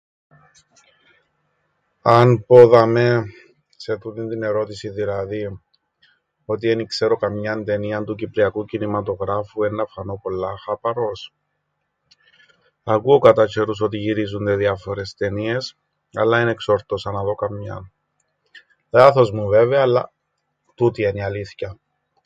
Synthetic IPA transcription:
ɐnpo̞ðɐme̞ | set̪und̪int̪ine̞ɾo̞t̪isiðilɐði | o̞t̪ie̞nikse̞ɾo̞kɐmɲɐnt̪e̞niɐnt̪ucipliɐkucinimɐt̪o̞ɣɾɐfue̞nːɐfɐno̞po̞lːɐxɐpɐɾo̞s | ɐkuo̞kɐt̪ɐce̞ɾus̬o̞t̪iʝiɾizund̪e̞ðiɐfo̞ɾe̞st̪e̞nie̞s | ɐ̰lːɐinekso̞ɾt̪osɐnɐðo̞kɐmɲɐ̰n | lɐθo̞zmuve̞veɐːlːɐ̰ | t̪ut̪ieniɐliθçɐ

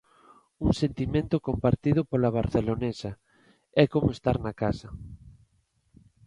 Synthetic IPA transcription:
uŋsent̪imẽnt̪ʊkompaɾt̪ið̞ʊpolaβ̞aɾθelonesɐ | ɛkomoest̪aɾnakasɐ

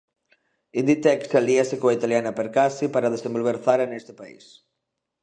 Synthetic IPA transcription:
ind̪it̪ɛksaliasekoait̪aljanɐpeɾkasipaɾaðesẽmbolβeɾθaɾanest̪ɪ̥paḭs

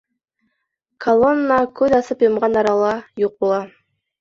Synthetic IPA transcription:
kʰɐlˠonːakʉzɑsɤpjomʁɑnɑɾɑlˠɑjuq̚ulˠɑ

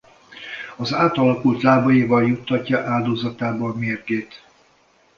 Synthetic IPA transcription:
ɒzaːt̪ɒlɒkult̪laːbɒjivɒljut̪ʰːɒcːɒʔaːld̪oːzɒt̪aːbɒːmeːrɡeːt̪

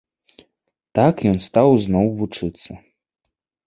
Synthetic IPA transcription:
t̪akjɔnst̪awznɔwvut͡ʂɨt̪sːɐ

